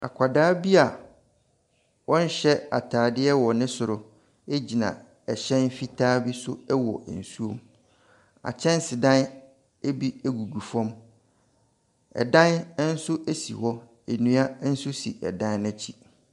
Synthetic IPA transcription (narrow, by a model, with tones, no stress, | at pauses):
a̰˨kʷʰa˨daː˦bi˦a˨ | wɔ̃˦n̩˦ɕɛ˦a̰˨tʰaː˨dɪ˦ɛ˦wɔ˨nɪ̃˦sʊ˨ɾʊ˨ | e˦d͡ʑi˨nã̰˨ | ɛ˨ɕɛ̃˦n˦fi˦tʰaː˦bi˦sʊ˦ɛ˦wɔ̰˨n̩˨su˦o̰˨m | a̰˨t͡ɕʰɛ̃˦n˦sɪ˨dã˦n | e˦bi˦æ˨ɡu˨ɡu˨fɔ̃˦m | ɛ̰˨dã˦n˦n̩˦sʊ˦ʔæ˦sḭ˨whɔ˦ | e˨nũ˦a˦n̩˦sʊ˦sḭ˨ʔɛ̰˨dã˦n˦nɛ̃˦t͡ɕʰi˦